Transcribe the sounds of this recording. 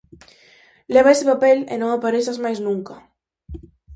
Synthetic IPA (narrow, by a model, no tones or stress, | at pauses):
leβ̞aesɪpapelḛnõŋapaɾesazmajznũŋka